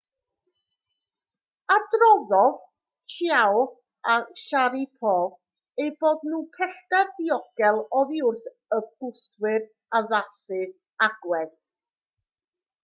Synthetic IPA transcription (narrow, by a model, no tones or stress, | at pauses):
adrɔðɔð | kʰjaw | aʃaɾipʰoːv | ejboːdnuːpʰɛɬdarðiɔɡ̥ɛlˠɔðiʊrθ | əɡʊθwɪr | aðasɨ | aɡ̥wɛð